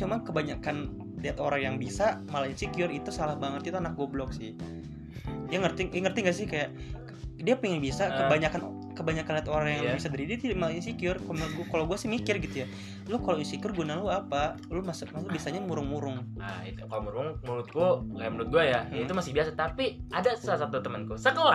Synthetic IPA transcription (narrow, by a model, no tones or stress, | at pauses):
t͡ʃumankəbaɲakan | dɛt̪oɾaŋjaŋbisamalaɲasikiʊrit̪usalahbaŋət̪̚it̪uanak̚ɡuablɔk̚sɪh | jaŋərt̪ɪŋjaŋərt̪iŋɡas̬ɪhkajaʔ | diapiŋɪnbisakəbaɲakan | kəbaɲakanliat̪oɾaŋjaŋbisadəɾidit̪malaɲasikiʊrkm̚ɡkaloɡuasɪhmikɪrɡit̪uja | lʊkaloinsikʊrɡunaluapa | lʊmasmaubiasaɲamuɾʊŋmuɾʊŋa̰ḭt̪ukalomuɾʊŋmuɾʊt̪̚kuŋɡajamuɾʊt̪̚ɡuajaait̪umasɪhbiasat̪apiadasalasat̪ut̪əmənkusəkola